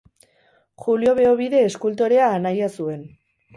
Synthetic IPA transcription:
xulio̞βe̞oβiðe̞ːskult̪̬o̞ɾe̞aːnajasue̞n

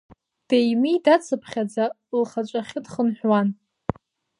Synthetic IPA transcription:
d̥ejmidat͡sʰɨpʰχʲad͡za | lχat͡ʃʷʼaχʲɪdχənħʷᶣwan

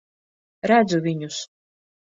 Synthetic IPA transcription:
ɾæd̪zuvʲiɲus

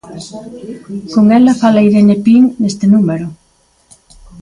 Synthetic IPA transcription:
koŋelafalejðenepiŋnest̪enumeɾʊ

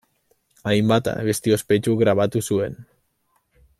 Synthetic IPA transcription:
ajmbat̪a̰βest̪io̞spe̞t͡ʃuɣɾaβ̞at̪usue̞n

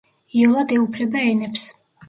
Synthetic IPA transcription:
iɔlˠad̪ɛupʰlɛbaɛnɛps

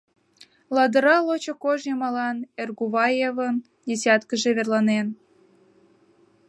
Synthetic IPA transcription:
lɑd̪əɾɑlot͡ɕokoʒjəmɑlɑnerɣuβɑjevən | d̪ʲesʲɑt̪kəʒeβerlɑnen

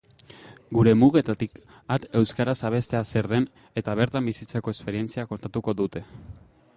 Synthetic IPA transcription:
ɡuɾe̞muɣe̞t̪at̪ik | at̪e̞wskaɾasaβ̞e̞st̪e̞ase̞ɾðe̞n | e̞t̪aβ̞e̞ɾt̪ambisit͡seko̞e̞spe̞ɾie̞nt͡siako̞nt̪at̪uko̞ðut̪e̞

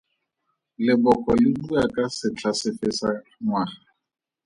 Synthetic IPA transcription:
lɪbɔkʼɔlɪbuakʼasɪt͡ɬʰasɪfɪsaŋwaː

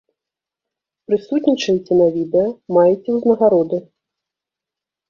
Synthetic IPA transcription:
pɾɨsut̪nʲit͡ʂɐjit͡sʲɛnɐvʲid̪ɛjɐmajɛt͡sʲɛwznɐɣaɾɔd̪ɨ

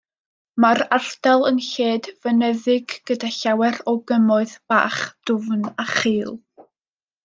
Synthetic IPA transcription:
maɾar̥d̥alˠənɬeːdvənɛðɪɡːədaɬawɛrɔɡəmʊɨðb̥a̰ːχd̥ʊvnaχiːlˠ

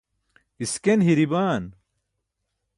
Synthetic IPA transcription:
iskenɦiɾibaːn

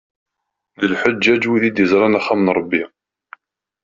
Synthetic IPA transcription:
ðəlħəd͡ʒːæd͡ʒwiðid̪jəzɾˤɑnaχːamənɾˤəbːi

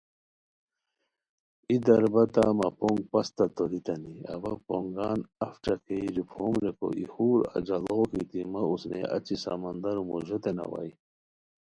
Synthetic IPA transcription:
id̪ɐɾbɐt̪amapoŋɡ̚pɐst̪at̪oɾit̪ɐniabɐpoŋɡaːnɐfʈ͡ʂakeiɾipʰomɾeko̰ʔihuːɾa̰d͡ʑalokit̪imɐusnḛat͡ɕisa̰mand̪aɾumoʑot̪ena̰wa̰j

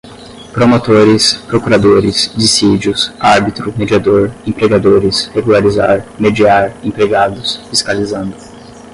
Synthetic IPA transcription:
pɾomot̪oɾɪspɾokuɾad̪oɾɪsd͡ʒisid͡ʒjʊsaɾbit̪ɾʊmed͡ʒiad̪oɾẽpɾeɡad̪oɾɪsheɡulaɾizaɾmed͡ʒiaɾẽpɾeɡad̪ʊsfiskalizɐ̃nd̪ʊ

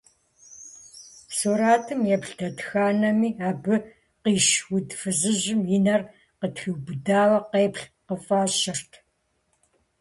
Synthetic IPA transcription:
suːɾaːtʰɨmjɛpɬdʰɐtxaːnɐmiːaːbɨ | qiːʃwʊdfɨzɨʑɪmjɪnɐr | qətxɨwbɨdaːwɐqeːpɬqəfaːʃɪrtʰ

